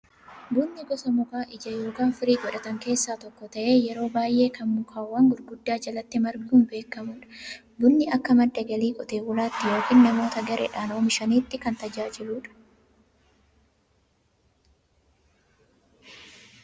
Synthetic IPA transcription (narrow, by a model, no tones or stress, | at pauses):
bʊnːɪɡɔsɐmʊkaːʔɪd͡ʒɐjo̞ːkaːnfɪɾiːɡɔᶑɐt̪ɐŋke̞ːsːaːt̪ɔkːɔt̪ɐʔe̞ːjɛɾo̞ːbaːjʔe̞ːkʰɐnmʊkʰaːwːɐŋɡʊɾɡʊd̪ːaːd͡ʒɐlɐt̪ːɪmɐɾɡuːnbe̞ːkːɐmʊːᶑɐ̥ | bʊnːɪʔɐkːɐmɐd̪ːɐɡɐliːkʼɔt̪eːwʊlaːt̪ːɪjo̞ːkiːnnɐmo̞ːt̪ɐɡɐɾʔḛːᶑaːnoːmɪʃɐniːt̪ːɪkɐnt̪ɐd͡ʒaːd͡ʒɪluːᶑɐ̥